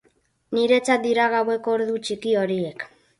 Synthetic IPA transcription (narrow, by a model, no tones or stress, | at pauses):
niɾe̞t͡sat̪̚d̪iɾaɣ̞awe̞koɾðut͡ʃikio̞ɾie̞k